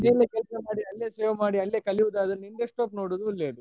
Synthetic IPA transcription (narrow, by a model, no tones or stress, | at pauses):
neːlekɛlsɐmaːɽiɐlːeːseːʋɐmaːɽiɐlːeːkɐliʋud̪aːd̪ɐnind̪eʂʈ̪oːpnoːɽoːd̪ulːeːd̪u